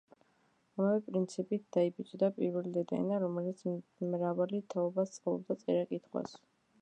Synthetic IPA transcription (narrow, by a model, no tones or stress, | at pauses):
amavɛpʼɾint̪sʰipʼit̪̚ʰd̪̥aibit͡ʃʼd̪apʼiɾvɛlid̪ɛd̪ɛ̰naɾɔmɛlit̪sʰmɾavalit̪ʰaɔbast̪sʼqʼlˠɔb̚d̪at̪sʼɛɾakʼit̪ʰχwa̰s